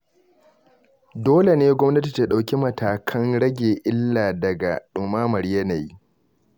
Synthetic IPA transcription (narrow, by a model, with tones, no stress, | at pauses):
doː˦le˨neː˦ɡʷɔ˦mnɐ˦ti˨ta˦ɗa˨wkʲi˦mɐ˨tʰaː˨kʰɐ˦ŋɽɐ˦ɡʲeː˨ʔɪ˦lːaː˨dɐ˨ɡa̰˨ɗʊ˨maː˦mɐ˨ɾjɐ˦na˨ji˦